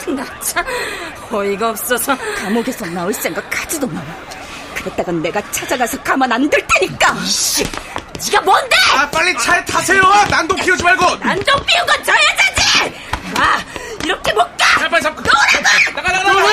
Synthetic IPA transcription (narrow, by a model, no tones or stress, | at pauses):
na | t͡ɕʰakʌiɡaʌp̚s͈ʌsʰʌtamoɡesʰʌnaos͈eŋɡakad͡ʑidona | kɯɾet͈̚aɡanːe̞ɡat͡ɕʰad͡ʑaɡasʰʌkʰamʌnandɯɭtʰeɲik͈aɕit͡ɕiɡamwʌndeap͈aʎːit͡ɕʰaɭtʰasʰejoanandopʰiod͡ʑimaɭɡonandopʰiuɡʌt͡ɕʌjad͡ʑed͡ʑi | aiɾʌkʰe̞mʌk̚k͈aapaaʌɾaa